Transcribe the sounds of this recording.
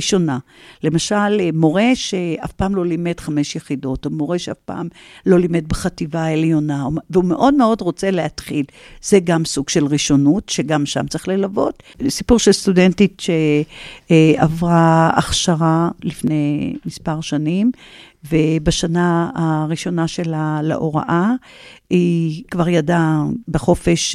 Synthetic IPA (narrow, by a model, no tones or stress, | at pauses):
iʃo̞nale̞maʃalmo̞ʁe̞ʃeʔa̰fpaːmlo̞lime̞dχame̞ʃjeχido̞tomo̞ʁeʃea̰fpa̰ːmlo̞lime̞d̚beχativaeljo̞nauveumeʔo̞dmeo̞dʁo̞t͡se̞leat̪χil | z̥eɡamsuɡ̥ʃe̞lʁiʃo̞nutʃeɡamʃa̰mt͡sʁi̥χlelavo̞̰t | sipuʁʃelst̪udentitʃe | avʁaa̰χʃaʁalifnejmispaʁʃanim | vebaʃanaaʁiʃo̞naʃe̞lalḛʔo̞ʁa̰ʔa | ikvaʁjadabeχo̞fe̞ʃ